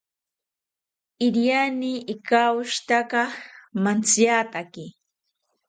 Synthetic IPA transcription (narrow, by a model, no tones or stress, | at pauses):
ɪɾjaniɪkaʊʃt̪akɑmant͡sjat̪akɪ